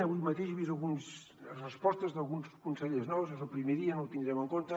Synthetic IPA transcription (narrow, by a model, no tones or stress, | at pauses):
aβujmɐt̪eʃeβizɐlˠɣuns | rəspɔst̪əzðəlˠɣunskunsəʎeznɔwzəzəlˠpɾimeðiənowt̪ind̪ɾɛməŋkont̪ə